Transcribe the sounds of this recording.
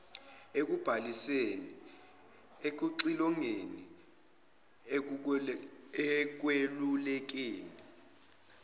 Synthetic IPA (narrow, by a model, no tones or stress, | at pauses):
ek̬ub̥ʱaliseni | ek̬uǀilɔŋeni | k̬welulɛk̬eːni